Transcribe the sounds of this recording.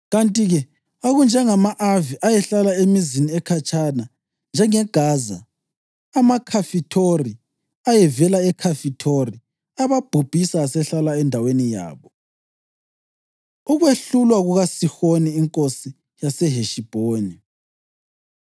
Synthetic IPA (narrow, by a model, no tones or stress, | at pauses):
ɣantʼiɣɛ | oɣund͡ʒʱɛŋamaʔaviʔajɛɬalaemiziniɛkʰat͡ʃʼana | nd͡ʒʱɛŋɛɡ̥ʱaːzaː | makʰafitʰori | ajɛvɛlaɛkʰafitʰori | aβab̥ʱub̥ʱisasɛɬalaɛndʱawenija̰ːβɔ | uɣweɬulwaɣuɣasixoniːŋkʼosi | jasɛɦeʃib̥ʱoːni